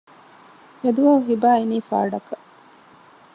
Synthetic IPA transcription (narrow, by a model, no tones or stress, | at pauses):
ed̪uʋɐuɦibaːiniːfa̰ːɖɐkɐ